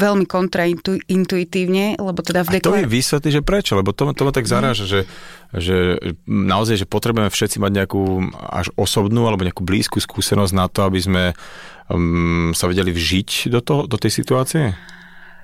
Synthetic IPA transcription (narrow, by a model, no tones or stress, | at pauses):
ʋɛlmikɔnt̪ɾait̪uint̪uit̪iːʊɲɛlɛbɔt̪ɛd̪avd̪ɛt̪ɔɛʋiːsʋɛt̪liʒɛpɾɛt͡ʃɔlɛbɔt̪ɔmat̪ɔmat̪aɡzaɾaːʒaʒɛ | ʒɛnaɔzajʒɛpɔt̪ɾɛbujɛmɛfʃɛt̪t͡simaɟɲɛakuːa̰ʒɔsɔbnuːalɛbɔɲɛakuːblḭːskuːskuːsɛnɔzɟnat̪ɔabizmɛ | saʋɛɟɛlivʒicd̪ɔt̪ɔɦɔd̪ɔt̪ɛjsit̪uaːt͡siɛ